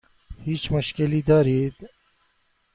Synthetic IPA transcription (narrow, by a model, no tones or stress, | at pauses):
hit͡ʃmʊʃkelid̪aɾid̪